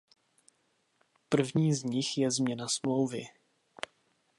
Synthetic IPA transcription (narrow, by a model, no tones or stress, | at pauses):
pr̩vɲiːzɲɪxjɛzmɲɛnasmlowvɪ